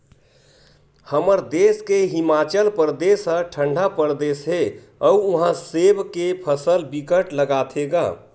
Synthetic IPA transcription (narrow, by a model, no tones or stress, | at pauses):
həməɾd̪eskeɦimat͡ʃəlpɾəd̪esə̃ʈʰə̃ɳɖʱapəɾd̪esɦe | ɔuuɦãsebkepʰəsəlbikəʈləɡat̪ʰeɡa̰ː